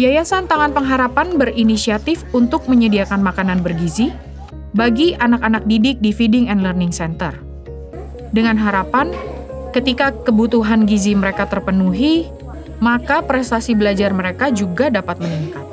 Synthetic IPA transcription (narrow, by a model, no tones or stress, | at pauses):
biajasant̪aŋanpəŋɦaɾapanbərinisiat̪ɪfunt̪ʊk̚məɲədiakanmakananbərɡizi | baɡiʔanakanak̚didɪk̚difidɪŋɛndlərnɪŋsɛnt̪ər | dəŋanɦaɾapan | kət̪ikakəbut̪uɦanɡiziməɾekat̪ərpənuɦi | makapɾɛst̪asibəlad͡ʒarməɾekad͡ʒuɡadapat̪̚məniŋkat̪̚